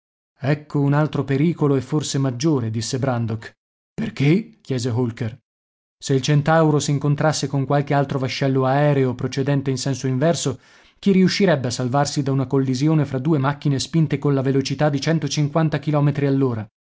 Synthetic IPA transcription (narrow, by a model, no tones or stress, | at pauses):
ɛkʰːounalt̪ɾopeɾiːkoloefːorsemad͡ʒːoːɾed̪isːebɾand̪ok | perkek̟jɛːzeɦolker | seilt͡ʃent̪awɾosiːŋkont̪ɾasːekoŋkwalk̟ealt̪ɾovaʃːɛlːoaɛːɾeopɾot͡ʃed̪ɛnt̪einsɛnsoiɱvɛrso | k̟iɾiuʃːiɾɛbːeasːalvarsid̪aunakolːizjoːnefɾad̪ːuːemak̟ːinespint̪ekonlavelot͡ʃit̪ad̪ːit͡ʃɛnt̪ot͡ʃiŋkwant̪akilɔːmet̪ɾialːoːɾa